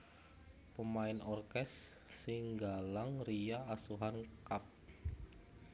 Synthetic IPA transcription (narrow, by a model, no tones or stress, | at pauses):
pəmaɪnɔrkɛsːɪŋɡalaŋrijaːsuɦankap̚